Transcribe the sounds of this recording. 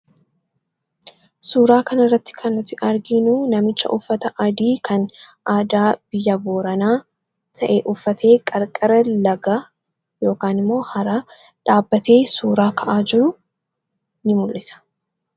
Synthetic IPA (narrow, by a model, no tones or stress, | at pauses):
suːɾaːkɐnɐrːɐt̪ːɪ̥kʰɐnːʊt̪ɪʔɐɾɡɪnuːnɐmɪt͡ʃːɐ̰ʔʊfːɐt̪ɐʔɐd̪iːkʰɐnʔaːd̪aːb̥ɪjːɐboːɾɐnaː | t̪ʰɐʔeʔʊfːɐt̪ʰe̞ːkʼɐɾkʼɐɾɐlɐɡa | jo̞ːkaːnɪmːo̞ːhɐɾa | ᶑaːbːɐt̪e̞ːsuːɾaːkʰɐʔaːd͡ʒɪɾʊ | nɪmʊlʔɪsɐ̥